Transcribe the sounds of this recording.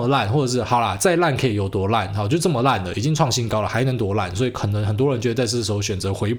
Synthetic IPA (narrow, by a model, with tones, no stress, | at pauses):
la˥˨nxwɔ˥˩ʈ͡ʂɤ˨˩ʂɻ̩˥˩xɑ˨˩ʊla̰˨˦t͡sa˥˧ɪla˥˩nkʰɤ˧˥i˨˩jo˨˩ʊt̪wɔ˧˥la̰˥˩n˨˩t͡ɕjt͡sə˥˩mə˩la˥˩nlə˩i˨˩t͡ɕi˥ŋʈ͡ʂʰwɑ˥˩ŋɕi˥nkɑ˥ʊlə˨xa˧˥ɪnə˧˥ŋt̪wɔ˧˥la˥˩nswɔ˧˥i˨kʰə˨˩nə˧˥ŋxə˨˩nt̪̬wɔ˥ɻə˦nt͡ɕjd̪t͡sa˥˧ɪ˥˧˩ʂ̩˧˥xo˥˧ʊɕɥɛ˨˩nt͡sɤ˧˥xwe˧˥ɪ